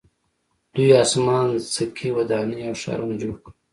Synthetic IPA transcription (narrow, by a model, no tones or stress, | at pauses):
d̪̥ujɑːsmɑːnsəkʰiwɐd̪ɑːniawʃɑ̰ɾund͡ʒoːɽk